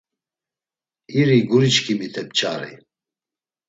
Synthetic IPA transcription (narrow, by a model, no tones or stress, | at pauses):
iɾiɡuɾit͡ʃkʰimit̪ʰɛp̚t͡ʃʰʼa̰ɾḭ